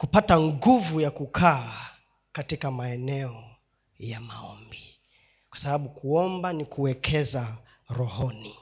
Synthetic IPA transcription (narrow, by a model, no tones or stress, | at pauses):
kupataŋɡuvujakukʰaː | katikamaɛnɛɔ | jamaɔmbi | kwḁsaɓaɓukuɔmbanikuwɛkʰɛza | ɾɔhɔni